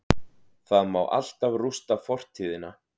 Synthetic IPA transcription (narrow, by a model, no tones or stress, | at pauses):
θaðmawʔa̰l̥t̪avrust̪afɔr̥t̪ʰiːðɪna